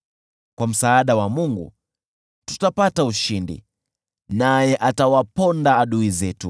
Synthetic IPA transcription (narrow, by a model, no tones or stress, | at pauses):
kwam̩saːɗawamuŋɡṵ | tu̥tapatauʃindḭ | najɛʔatawapɔndaːɗuizɛtṵ